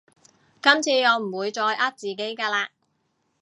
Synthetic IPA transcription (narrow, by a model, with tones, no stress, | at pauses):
kɐ˥mt͡sʰiː˧jɔː˨˧wm̩˨˩wuː˨˧jt͡sɔː˧jʔaː˥t̚t͡siː˨ke˨˥jkɛː˧laː˧